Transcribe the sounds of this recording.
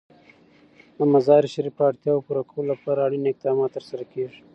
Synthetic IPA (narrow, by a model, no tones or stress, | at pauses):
d̪əmazɑɾiʃaɾipɑɽt̪jɑwpuɾakawolapɑɾaːɽinɪq̚d̪ɑmɑt̪ːəɾsaɾakeʐi̥